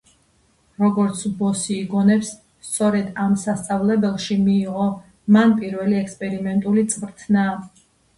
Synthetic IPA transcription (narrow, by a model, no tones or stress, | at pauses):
ɾɔɡɔɾt̪sʰbɔsiːɡɔnɛps | st̪sʼɔɾɛd̪amsast̪sʼavlɛbɛlˠʃimiːʁɔ | manpʼiɾvɛliɛkspʼɛɾimɛnt̪ʼulit̪sʼvɾt̪ʰna